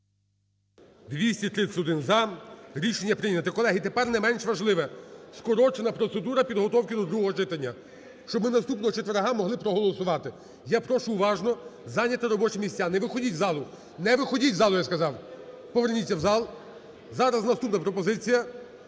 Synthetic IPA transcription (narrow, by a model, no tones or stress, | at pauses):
d̪ʋʲisʲtʲit̪ɾɪsʊd̪ɪnzɐɾʲiʃenʲːɐpɾɪnʲɐt̪ɪkɔlˠɛɦit̪epɛrnɛmɛnʃʋɐʒlˠɪʋɛskɔɾɔt͡ʃenɐpɾɔt̪se̞d̪uɾɐpʲid̪ɦɔt̪ɔwkʲɪd̪ɔd̪ɾuɦɔɦɔʒɪt̪ɐnʲːɐ | ʃt͡ʃɔbmɪnɐst̪upnɔɦɔt͡ʃet̪ʋeɾɦɑmɔɦlˠɪpɾɔɦɔlˠɔsʊʋɑt̪ɪ | japɾɔʃʊːʋɑʒnɔzɑnʲːɐt̪ɪɾɔbɔt͡ʃemʲisʲt͡sʲːanɛʋɪxɔdʲitʲzɑlˠʊ | nɛʋɪxɔdʲitʲzɑlˠʊjaskɐzɑw | pɔʋernʲitʲːɐwzɑlˠ | zɑɾɐznɐst̪upnɐpɾɔpɔzɪt͡sʲijɐ